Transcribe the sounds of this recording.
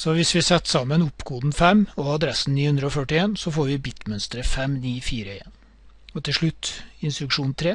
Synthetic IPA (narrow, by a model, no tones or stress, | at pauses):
sɔʋɪsʋɪsɛt̪ːsɑmːənʊpːkʰuːd̪n̩fɛmɔɑd̪ɾɛsn̩niːhʉnd̪ɾəɔfœʈɪeːnsɔfoːɾʋɪbɪt̪mœnst̪əɾəfɛmniːfiːɾəeːn | ɔt̪ʰɪlʂɭʉt̪ːɪnst̪ɾʉkʂuːnt̪ʰɾeː